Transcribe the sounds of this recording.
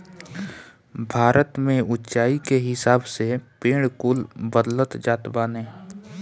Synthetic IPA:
bʱaːɾʔət̪mẽʊtːt͡ʃaːikeɦɪsaːbsepeːɽ̃kʊlbəd̪lət̪d͡ʒaːt̪baːneː

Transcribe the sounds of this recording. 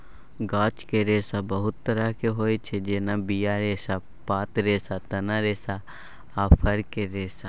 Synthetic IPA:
ɡaːt͡ʃkeɾeːsabəɦʊt̪ːəɾakeɦoːit͡ʃʰed͡ʒeːnabijaɾeːsa | paːt̪ɾeːsat̪ɐnaɾeːsa | aːpʰɐɾkeɾeːsa

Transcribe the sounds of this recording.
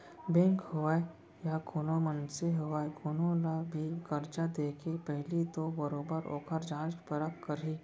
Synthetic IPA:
bẽːŋkhoaːe | jakʰʊnomənseɦoaːekʰonolabʱiɡəɾd͡ʒad̪eːkʰepɛɦlit̪obəɾoːbəɾo̰ːkʰəɾd͡ʒãːt͡ʃpəɾəkkəɾiː

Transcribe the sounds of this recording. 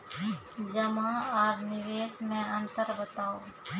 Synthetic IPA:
d͡ʒəmãaːɾnɪʋeːsmẽɐ̃nt̪əɾbət̪aːoː

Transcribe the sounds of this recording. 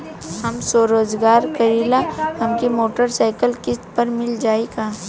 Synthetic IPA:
hɐmsoːɾoːd͡ʒɡaːɾkɐɾiːlahɐmkimoːʈəɾsaːɪkəlkɪspɐɾmɪld͡ʒaːikaː

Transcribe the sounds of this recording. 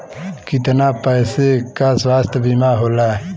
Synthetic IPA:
kit̪napəːsekaswaːst̪ʰəbimaɦoːla

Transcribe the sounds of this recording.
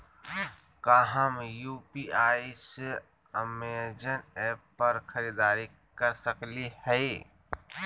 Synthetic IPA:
kaɦəmjuːpiaːis | əmeːd͡ʒəneːpːɐɾxɐɾid̪aːɾi | kəɾsəklihɛ

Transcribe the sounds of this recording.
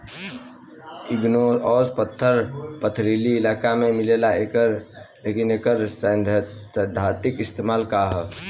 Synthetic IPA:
ɪɡnoɔːspət̪ʰːəɾpət̪ʰɾiːliɪlaːkamẽmɪleːlae | lekɪneːkəɾ | əd̪ʱaːt̪ɪkɪst̪eːmaːlkaɦɛ

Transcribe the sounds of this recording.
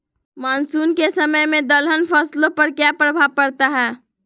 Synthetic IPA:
maːnsuːnkesəməjmẽd̪əlɦənpʰəslõpəɾkjapɾəbʱaʋpəɾt̪aɦɛː

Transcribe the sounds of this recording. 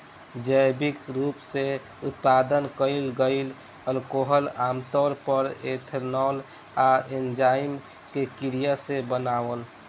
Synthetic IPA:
d͡ʒəjbikɾupse | ut̪̚pad̪ənkəɪlɡəɪl | əlkoɦəlaːmt̪ɔɾpəɾet̪ʰəɾnɔl | aend͡ʒaɪm | kekiɾijasebənaːwəl

